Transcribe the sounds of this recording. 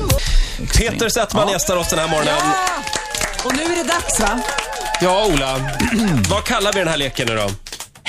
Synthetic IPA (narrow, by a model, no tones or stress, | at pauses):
pʰeːt̪əɾsɛt̪ːmanjɛst̪aɾɔsd̪ɛnhæːɾmɔɾɳən | ɔnʉ̟ːæɖɛd̪aksvajɑːuːla | vakʰalːaɾvɪd̪ɛnhæːɭeːkənːʉːd̪ɔ̰